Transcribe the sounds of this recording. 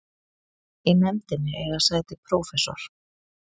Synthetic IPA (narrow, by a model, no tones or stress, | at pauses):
inɛmt̪ɪnːɪʔɛɣasaɣt̪ɪpʰɾoːwfɛsɔ̰ɾ̥